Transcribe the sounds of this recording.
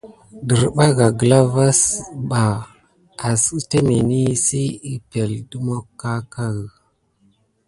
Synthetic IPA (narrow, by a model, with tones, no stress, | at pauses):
də˨ɾɓa˦ɡa˨ɡə˨la˦va˦sɓa˨ | a˨ste˦me˨ni˦si˦i˦pe˨ldu˦mo˦kːa˦ka˦ɣə˨